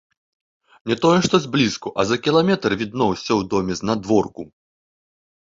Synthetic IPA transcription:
nʲɛt̪ɔjɛʂt̪ɔzʲblʲiskuʔɐzɐkʲilˠamʲɛt̪rvʲid̪̚nɔwsʲɔwd̪ɔmʲɛznad̪vɔrku

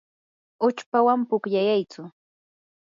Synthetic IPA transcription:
ʊt͡ʃpawampʊkʎajajt͡sʊ

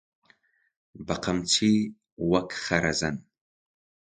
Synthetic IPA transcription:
baqʰamt͡sʰi | wakʰχaɾazan

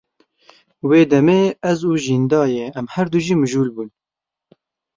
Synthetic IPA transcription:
weːd̪ɛmeːɛzuːʒiːnd̪ɑːjeɛmhɛɾd̪uːʒiːmɨʒuːlbuːn

